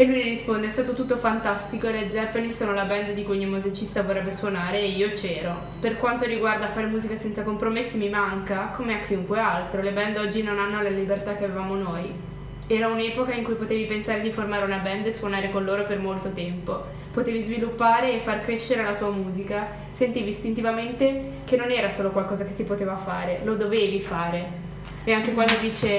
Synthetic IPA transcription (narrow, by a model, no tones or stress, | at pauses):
elːujniɾispond̪eɛst̪aːt̪ot̪ut̪ːofant̪ast̪ikoeled̪zɛpːelisoːnolabɛnd̪d̪ikujɔɲːimuzit͡ʃist̪avorɛbːeswonaːɾeːiːot͡ʃɛːɾo | perkwant̪oɾiɡward̪afːaːɾemuːzikasɛnt̪sakompɾomesːimimaŋkakomeakːiuŋkwealt̪ɾolebɛnd̪ɔd͡ʒːinonanːolelibert̪ak̟eavevaːmonoj | ɛːɾaunɛːpokaiŋkujpot̪eːvipensaːɾed̪iformaːɾeunabɛnd̪eswonaːɾekonloːɾopermolt̪ot̪ɛmpo | pot̪eːvizvilupːaːɾeːfːarkɾeʃːeɾelat̪uːamuːzika | sent̪iːviːst̪int̪ivament̪e | k̟enːonɛːɾasoːlokwalkɔːzakesipot̪eːvafaːɾelod̪oveːvifaːɾe | eaŋk̟ekwand̪od̪iːt͡ʃe